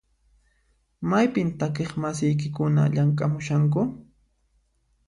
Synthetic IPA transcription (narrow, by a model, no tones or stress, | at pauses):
majpɪnt̪akeχmasɪjk̬ɪkʊna̰ʎaŋkʼamʊʃaŋk̬ʊ